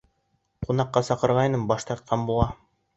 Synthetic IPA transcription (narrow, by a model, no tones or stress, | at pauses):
qunɑqːɑsɑqɤ̆ɾʁɑjnɤmbɑʃt̪ɑɾt̪̚qʰɑnbulˠɑ